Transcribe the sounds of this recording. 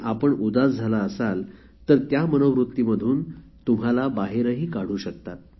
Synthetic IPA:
ʔapəɳud̪asd͡zʱalaəsal | t̪əɾt̪jamənəʋɾut̪ːiməd̪ʱuːn | t̪um̤alabaɦeɾəɦiːkaɽ̤uːɕək̚t̪at̪̚

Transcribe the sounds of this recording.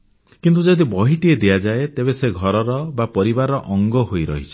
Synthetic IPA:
kint̪ud͡ʒɔd̪ibɔɦiʈ̪ied̪ijad͡ʒaet̪ebeseɡʱɔɾɔɾɔbapɔɾibaɾɔʔɔŋɡɔɦojɾɔ̰ɦit͡ʃʰi̥

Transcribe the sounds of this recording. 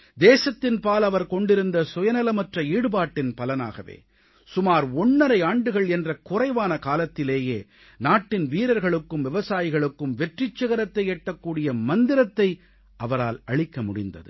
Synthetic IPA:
d̪eːsɐt̪ːɪnpaːlɐʋɐɾkɔɳɖɪɾɯnd̪ɐsʊjɐnɐlɐmɐʈrɐiːɽɯbaːʈːɪnpɐlɐna̰ːɣɐʋḛː | sʊmaːɾɔnːɐɾɐɪaːɳɖɯɣɐɭɛndrɐkʊrɐɪʋaːnɐkaːlɐt̪ːɪleːjeː | naːʈːɪnʋiːɾɐɾɣɐɭɯkːɯmʋɪʋɐsaːjɪɣɐɭɯkːɯmʋɛʈrɪt͡ʃːɐɣɐɾɐt̪ːɐɪeːʈːɐkːuːɽɪjɐmɐnd̪ɪɾɐt̪ːɐɪ | ʔɐʋɐɾa̰ːlɐɭɪkːɐmʊɽɪ̰nd̪ɐ̰ðɯ̰

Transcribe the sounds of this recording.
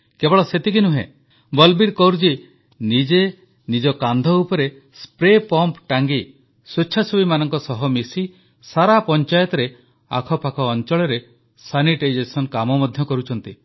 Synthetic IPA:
kebɔɭɔset̪ikinuɦḛ̃ | bɔlbiɾkɔɾd͡ʒi | nid͡ʒe | nid͡ʒɔkand̪ʱɔupɔɾe | spɾepɔmpʈaŋɡi | sut͡ʃʰasubimanɔŋkɔsɔɦɔmisi | saɾapɔnt͡ʃajɔt̪ɾe | a̰kʰɔpakʰɔːnt͡ʃɔɭɔɾe | saniʈed͡ʒesɔnkamɔmɔd̪ʱjɔkɔɾut͡ʃʰɔnt̪i

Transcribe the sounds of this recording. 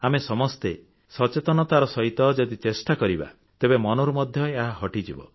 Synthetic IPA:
amesɔmɔst̪e | sɔt͡ʃet̪ɔnɔt̪aɾɔsɔit̪ɔd͡ʒɔd̪it͡ʃesʈakɔɾiba̰ | t̪ebemɔnɔɾumɔd̪ʱjɔeeɦaɦɔʈid͡ʒḭbɔ̰

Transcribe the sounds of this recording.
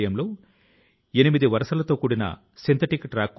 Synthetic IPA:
jɐmlo̞ː | e̞nimid̪iʋɐɾɐʂɐlɐt̪o̞ːkuːɽinɐ̰ | sint̪ʰɐʈikʈɾaːkː

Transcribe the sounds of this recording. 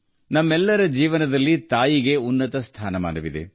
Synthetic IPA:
nɐmːɛlːɐɾɐd͡ʒiːʋɐnɐd̪ɐlːit̪aːjiɡe̞unːɐt̪ɐst̪ʰaːnɐma̰ːnɐʋid̪ḛ

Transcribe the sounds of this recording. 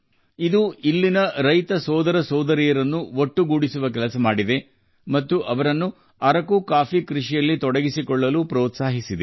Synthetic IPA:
id̪uilːinɐɾɐjt̪ɐsɔːd̪ɐɾɐsɔːd̪ɐɾijɐɾɐnːuoʈːuɡuːɽisuʋɐk̬ɛlɐsɐmaːɽid̪e̞ | mɐt̪ːuʔɐʋɐɾɐnːu | ɐɾɐkukaːfikɾiʂijɐlːit̪ɔɽɐɡisikɔɭːɐluːpɾɔːt̪saːɦisid̪e

